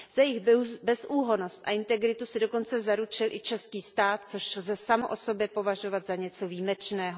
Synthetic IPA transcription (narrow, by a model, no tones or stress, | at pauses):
z̥ajɪxbɛsʔuːɦo̞no̞st̪ʔa̰ʔɪnt̪ɛɡɾɪt̪usɪdo̞ko̞nt͡sɛzaɾut͡ʃɪlʔɪt͡ʃɛskiːst̪aːt̪̚t͡so̞ʃlzɛsamoʔo̞so̞bjɛpo̞vaʒo̞vat̪zaɲɛt͡so̞viːmɛt͡ʃnɛːɦo